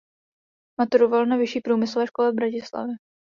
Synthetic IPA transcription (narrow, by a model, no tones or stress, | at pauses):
mat̪uɾovalnavɪʃiːpɾuːmɪslovɛːʃkolɛvbɾacɪsla̰vjɛ